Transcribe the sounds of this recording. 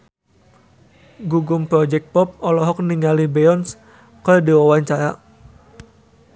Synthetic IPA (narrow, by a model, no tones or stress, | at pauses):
ɡuɡʊmpɾɔd͡ʒɛk̪̚pɔp̚ɔlɔɦɔk̚niŋalibɛɔns | kədiwawaɲt͡ʃaɾa